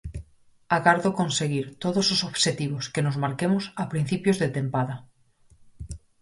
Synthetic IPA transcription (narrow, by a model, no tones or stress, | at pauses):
aɣaɾðokonseɣ̞iɾt̪oðososoβʃet̪iβ̞oskenozmaɾkemosapɾin̟θipjozðet̪empaða